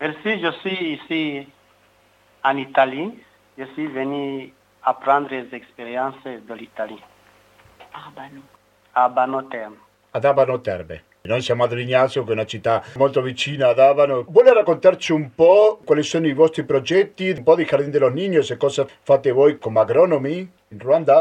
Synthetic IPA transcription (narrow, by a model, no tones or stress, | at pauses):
peɾsiʒosisi | anit̪ali | ʒosiveni | apɾãnd̪ɾezekspeɾjansed̪elit̪ali | abano | abanot̪ɛɾm | ad̪avanot̪ɛ̰rbḛ | nojsjamoad̪oliɲasokeunat͡ʃit̪ːamolt̪ovit͡ʃiːnaːðaβanobwɔlerakːont̪aɾt͡ʃiumpɔkwalisonoivɔst̪ɾipɾod͡ʒɛt̪ːimpɔðixaɾd̪ind̪elozniɲːosekɔzafat̪evojkomaɡɾɔnomi | inrwand̪a